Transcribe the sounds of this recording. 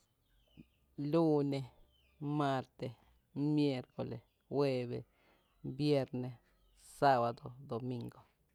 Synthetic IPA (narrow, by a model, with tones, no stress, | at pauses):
lu˦ne˧ | ma˧ɾt̪e˧ | mje˦˧ɾko˨le˨s | xwe˧βḛ˧ | bje˧ɾne˧ | sa˦˧ba˨d̪o˨d̪o˨mi˧ŋɡo˨